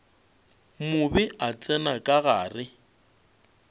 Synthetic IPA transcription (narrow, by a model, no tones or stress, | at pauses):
mʊbɪʔat͡sʼɛnakʼaɣa̰ːrɪ